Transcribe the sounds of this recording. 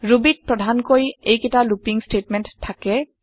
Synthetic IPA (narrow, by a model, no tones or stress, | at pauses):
ɹubit̚pɹɔdʱankoɹjejketalupiŋstetmɛntʰːakɛ